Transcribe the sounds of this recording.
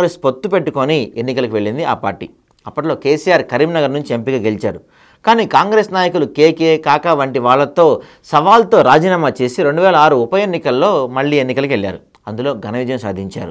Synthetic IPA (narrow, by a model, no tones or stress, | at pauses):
ɡɾespot̪ːupe̞ʈːuko̞nienːikɐlɐkuʋe̞ɭːind̪ia̰ːpa̰ːɾʈḭː | ɐpːɐʈlo̞ːke̞ːsijaːɾkɐɾiːmnɐɡɐɾnuɲt͡ʃie̞mpiɡaːɡelit͡ʃaːɾu | kaːniːkaːŋɡɾe̞ːsnaːjɐkulukeːkeːkaːkɐʋɐɳʈiʋaːɭːɐt̪o̞ː | sɐʋaːlt̪o̞ːɾaːd͡ʒiːnaːmat͡ʃe̞ːsiɾe̞ɳɖuʋɛːlɐaːɾuupɐjenːikɐlːo̞ːmɐɭːiːenːikɐlɐkuʋeɭːja̰ːɾu | ɐnd̪ulo̞ːɡɐnɐʋid̪ʱɐjɐ̃msa̰ːd̪ʱiɲt͡ʃa̰ːɾu